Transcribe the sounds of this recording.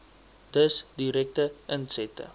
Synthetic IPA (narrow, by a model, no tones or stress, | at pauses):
d̥əsdiɾɛk̚təʔənsɛtə̰